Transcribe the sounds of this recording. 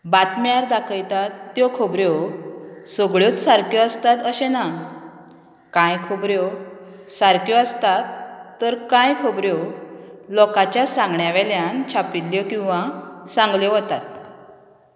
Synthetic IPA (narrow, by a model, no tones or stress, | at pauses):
bat̪maɾd̪akʰəjt̪at̪ːjɔkʰobɾjɔ | sɔɡɭjɔt͡ssaɾkjɔəst̪at̪əɕena | kãjkʰɔbɾjɔ | saɾkjɔəst̪at̪ːəɾkãjkʰobɾjɔ | lɔkat͡ɕjasãŋɡɳjaʋɛljant͡ɕʰapilːjɔkĩw̃ʋasãŋɡljɔɦɔt̪at̪